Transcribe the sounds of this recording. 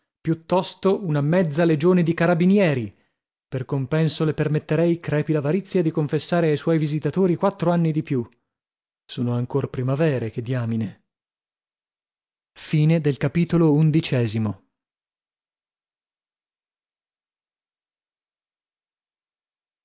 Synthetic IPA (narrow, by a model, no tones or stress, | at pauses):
pjut̪ːɔst̪ounamɛd̪zːaled͡ʒoːned̪ikaɾabinjɛːɾi | perkompɛnsolepermet̪ːeɾɛjkɾɛːpilavaɾit̪sːjad̪ikoɱfesːaːɾeajswɔjvizit̪at̪oːɾikwat̪ːɾoanːid̪ipju | soːnoaŋkorpɾimavɛːɾeked̪ːjaːmine | fiːned̪elkapiːt̪olound̪it͡ʃɛːzimo